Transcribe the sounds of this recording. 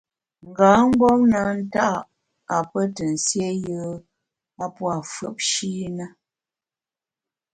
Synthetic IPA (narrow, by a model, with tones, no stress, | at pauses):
ŋ̩˨ɡaː˨˦m̩˦bɔ˦ŋna˨˦n̩˦ta˦ʔ | a˨pə˦tə˨n̩˨sje˦jəː˦ | a˦pwa˨fə˨p̚ʃi˦nə˦